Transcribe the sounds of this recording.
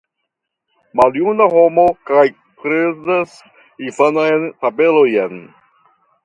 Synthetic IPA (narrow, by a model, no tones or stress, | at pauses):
maljunahomokaj | kɾezas | ifanajnt̪abelojen